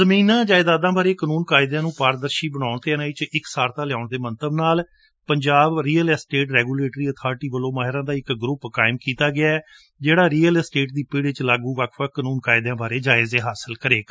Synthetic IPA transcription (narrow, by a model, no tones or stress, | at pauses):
əmiːnãːd͡ʒaːɪd̪aːd̪ãːbaːɾeːkənuːnkaːɪd̪jãːnũːpaːɾd̪əɾʃiːbəɽ̃aːʊɳt̪eːnãːɪt͡ʃɪksaːɾt̪ãːlɪjaːʊɳd̪eːmənt̪əbnaːl | pəɲd͡ʒaːbɾiːəlsʈeːʈɾɛːɡuːleːʈɾiːət̪ʰaːɾʈiːʋəlõːmaːɦɪɾãːd̪aːɪkɡɾʊpːkaːɪmkiːt̪aːɡɪaːɛː | d͡ʒeːɽaːɾiːəlsʈeːʈd̪iːpɪːɽɪt͡ʃlaːɡũːʋaːkʰʋaːkənuːnkaːɪd̪ãːbʱaːɾeːd͡ʒaːɪzeːɦaːsəlkəɾeːk